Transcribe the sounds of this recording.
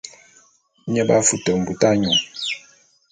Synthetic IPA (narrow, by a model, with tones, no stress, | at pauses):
ɲə˦ba˦fu˨tə˨m̩˨bu˨ta˦ɲɔ˨ŋ